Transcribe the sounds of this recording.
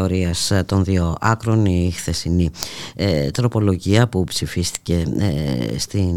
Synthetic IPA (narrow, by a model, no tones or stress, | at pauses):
o̞ɾiɐst̪o̞nðio̞ʔɐkɾo̞nixθe̞siniet̪ɾo̞po̞lo̞ʝiɐpupsifist̪i̥ce̞ | st̪i